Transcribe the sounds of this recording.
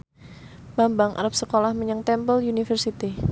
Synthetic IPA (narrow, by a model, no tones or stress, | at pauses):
b̥ambaŋʔa̰ɾap̚səkolahməɲaŋt̪ɛmpəljunifərsit̪i